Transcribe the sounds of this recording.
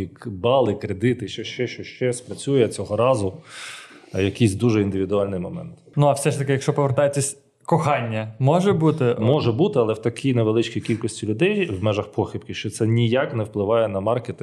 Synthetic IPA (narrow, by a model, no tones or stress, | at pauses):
ikbɑlˠɪkɾed̪ɪt̪ɪʃt͡ʃɛʃt͡ʃɛʃt͡ʃɔʃt͡ʃɛspɾɐt͡sʲujɛt͡sʲɔɦɔɾɑzʊ | jɐkijsʲd̪uʒɛind̪ɪʋʲid̪ʊɑlʲnɪjmɔmɛ̰nt̪nuɐwsɛʃt̪ɐkɪjɐkʃt͡ʃɔpɔʋeɾrt̪ɑjet͡sʲːɐsʲ | kɔxɑnʲːɐmɔʒɛbut̪ɪmɔʒɛbut̪ɪɐlˠɛwt̪ɐkʰijneʋelˠɪt͡ʃkʲikʲilʲkɔsʲtʲilʲʊd̪ɛjwmɛʒɐxpɔxʲip̚kʲɪʃt͡ʃɔt̪sɛnʲijaknɛwplˠɪʋɑjɛnɐmɑrket̪ɪ